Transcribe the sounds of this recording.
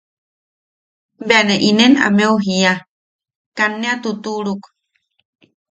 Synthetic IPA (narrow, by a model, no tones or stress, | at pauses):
beaneʔinena̰meuɦija | kanːeat̪ut̪uɺuk